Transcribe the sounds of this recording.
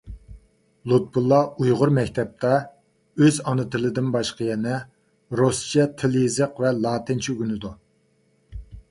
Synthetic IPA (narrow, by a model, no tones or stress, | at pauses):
lˠut̪̚bulˠːɑujʁʊɾmɛkʲt̪ʰɛp̚t̪ʰɑ | øzɑnɨt̪ʰɪlɪd̪ɪnbɑʃqəjɛnɛ | ɾost͡ʃɛt̪ʰɪlzəqvɛlˠɑːt̪ʰɪnt͡ʃʰiyɡʲynɪd̪u